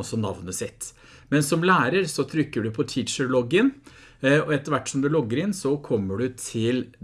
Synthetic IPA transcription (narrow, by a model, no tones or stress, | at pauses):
ɔsːɔnɑ̰ʋnəsɪt̪ː | mɛnsɔmlæːɾəɾsɔt̪ʰɾʏkːəɖʉpʰɔt̪ʰɪʃəɭɔɡən | ɔɛt̪ːəɾʋæʈːsɔmd̪ʉlɔɡəɾɪnsɔkʰɔmːəɖʉt̪ʰɪl